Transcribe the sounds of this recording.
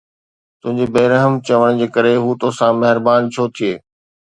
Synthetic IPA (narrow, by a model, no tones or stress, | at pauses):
t̪ʊ̃ɦɪ̃ɲd͡ʑebɐːɾəɦəmt͡ɕɐʋəɽ̃d͡ʑeːkɐɾeɦuːt̪oːsãmɐɦɪɾbaːnt͡ɕʰoːt̪ʰieː